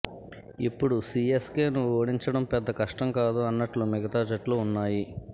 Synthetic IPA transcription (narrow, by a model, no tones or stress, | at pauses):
ipːuɽusieskeːnuoːɽiɲt͡ʃɐɽɐmpɛd̪ːɐkɐʂʈɐmkaːd̪uɐnːɐʈlumiɡɐt̪aːd͡ʒɐʈluunːaːji